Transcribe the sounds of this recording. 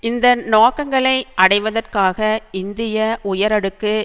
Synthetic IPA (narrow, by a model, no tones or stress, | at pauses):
ɪnd̪ɐnoːkɐŋɡɐɭɐɪʔɐɽɐɪʋɐðɐrkaːɣɐɪnd̪ɪjɐʊjɐɾɐɽɯkːɯ